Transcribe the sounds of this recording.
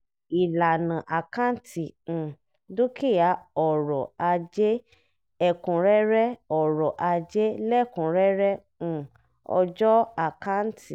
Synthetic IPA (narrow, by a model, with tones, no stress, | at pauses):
i˨la˨nã˨ʔa˨ka˦n̩˦tʰĩ˨ | do˦kʰi˦˨ja˨˦ɔ˨ɾɔ˨a˧d͡ʒe˦ | ɛ˦kũ˨ɾɛ˦ɾɛ˦ɔ˨ɾɔ˨ʔa˧d͡ʒe˦lɛ˦˨kũ˨ɾɛ˦ɾɛ̃˦˨ | ɔ̰˧d͡ʒɔ˦a˨ka˦n̩˦tʰi˨